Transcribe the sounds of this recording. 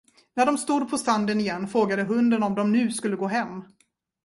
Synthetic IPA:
næɖɔmst̪uːd̪̚pʰɔst̪and̪ənɪjɛnːfɾoːɡad̪əɦɵnd̪ənɔmd̪ɔmnʉ̟ːskɵlːəɡoːɦɛmː

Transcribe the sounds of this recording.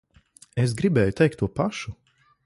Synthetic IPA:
es̬ɡɾibɛːjut̪ɛjkt̪ːuɔpaʃu

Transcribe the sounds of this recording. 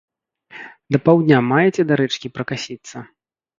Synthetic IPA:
d̪ɐpawd̪ʲnʲamajɛt͡sʲɛd̪aɾɛt͡ʂkʲipɾɐkasʲit̪sːɐ

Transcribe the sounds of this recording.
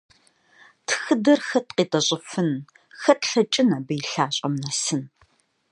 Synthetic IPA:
tʰxɨdɐrxɐtqiːtʼɐɕʼɪfɨn | xɐtɬɐt͡ʃʼɪnɐbɨjɬaːɕʼɐmnɐsɨn

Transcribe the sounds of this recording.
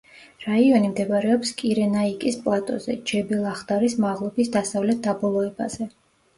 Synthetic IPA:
ɾaiɔnimd̪ɛbaɾɛɔpskʼiɾɛnaikʼispʼlˠat̪ʼɔ̰zɛ̰d͡ʒɛbɛlˠaχd̪aɾismaʁlˠɔbisd̪asavlɛt̪̚d̪abɔlˠɔɛba̰z̥ɛ

